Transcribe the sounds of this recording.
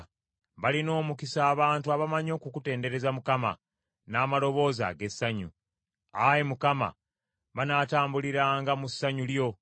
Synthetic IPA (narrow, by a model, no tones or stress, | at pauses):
βalino̞ːmukisaːβaːntuaβamaɲo̞ːkukute̞ːnde̞ɾe̞zamukama̰ | naːmalo̞βo̞ːza̰ɡe̞sːaɲṵ | ajemukama̰ | βanaːtaːmbuliɾaŋɡamusːaɲuljo̞